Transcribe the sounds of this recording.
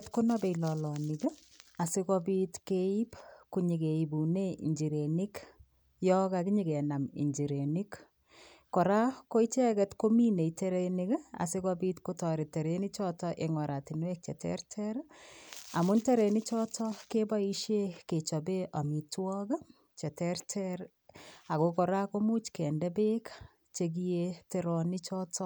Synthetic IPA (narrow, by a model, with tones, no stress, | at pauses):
tko˦nɔ˦be˨ilɔlɔ˨nik | a˨si˦kɔbitke˦i˦pku˨ɲi˨ke˨i˨bune˦ḭ˨ɲd͡ʒi˨ɾeni˦k | jɔ˦kakiɲi˨ɡe˨na˨mḭ˨ɲd͡ʒi˨ɾe˨ni˦k | kɔ˨ɾa˦ko˦i˦t͡ʃɛ˦kɛtko˦mi˦ne˨iteɾeni˦ɡa̰˨se˦kɔ˦bi˦tko˦tɔ˨ɾi˨te˨ɾe˨ni˦t͡ʃɔtɔʔe˨ŋɔ˨ɾa˨ti˨nwek̚t͡ʃɛ˨tɛ̰ɾtʰɛɾ | a˨mʊ˦ntɛ˦ɾe˨ni˦t͡ʃɔ˦tʰɔkeba˦i˦ʃje˦ke˨t͡ʃɔ˨be˦ʔa˨mi˨twɔk | t͡ʃɛ˨tɛɾtʰɛɾ | a˨kokɔ˨ɾa˦ko˦mu˦t͡ʃkɛ˨ndɛ˦be˦k | t͡ʃeɡ̬i˦jete˦ɾɔ˨ni˦t͡ʃɔ˦tʰɔ˦